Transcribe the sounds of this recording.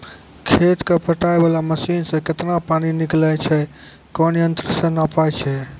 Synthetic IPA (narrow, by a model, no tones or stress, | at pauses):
kʰet̪kepəʈaebalaməsinsẽket̪napaniniklɛjt͡ʃʰɛ | kɔnjənt̪ɾəsə̃napajt͡ʃʰɛ